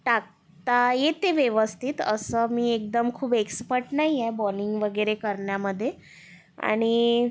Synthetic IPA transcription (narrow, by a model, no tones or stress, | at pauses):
ʈak̚ | t̪ajet̪eʋjəʋəst̪ʰit̪ə̰səːmiːek̚d̪əmkʰuːbekspəɾʈnaɦijebɔliŋɡʋəɡəɾekəɾɳjaməd̪ʱːje | a̰ɽ̃i